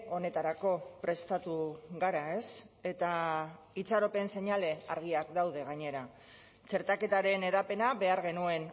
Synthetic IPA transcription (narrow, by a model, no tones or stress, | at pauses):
o̞ne̞t̪aɾako̞pɾe̞st̪at̪uɣaɾae̞se̞t̪a | it͡saɾo̞pe̞nse̞ɲale̞aɾɣ̞iakd̪awðe̞ɣ̞aɲe̞ɾa | t͡se̞ɾt̪ake̞t̪aɾe̞ne̞ðape̞naβe̞aɾɣe̞nue̞n